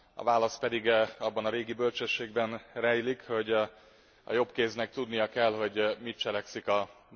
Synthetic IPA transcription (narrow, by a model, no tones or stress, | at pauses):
ɒ̰vaːlɒspɛd̪iɡɒbːɒnɒɾeːɡibølt͡ʃøʃːeːɡbɛnrɛjlikho̞ɟ | ɒ̰jo̞pkeːznɛk̚t̪ud̪nijɒkɛlɦo̞ɟmit̪̚t͡ʃɛlɛksikɒ